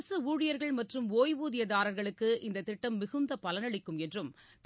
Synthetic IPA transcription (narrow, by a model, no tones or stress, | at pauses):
sɯuːɻɪjɐɾɣɐɭmɐʈrɯmoːjʋuːðɪjɐðaːɾɐɾɣɐɭɯkːɯʔɪnd̪ɐt̪ːɪʈːɐmːɪɣɯnd̪ɐpɐlɐnɐɭɪkːɯmɛndrɯm | t̪